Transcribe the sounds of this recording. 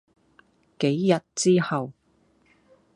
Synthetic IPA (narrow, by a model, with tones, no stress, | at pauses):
ke˨˥jjɐ˨t̚t͡siː˥hɐ˨w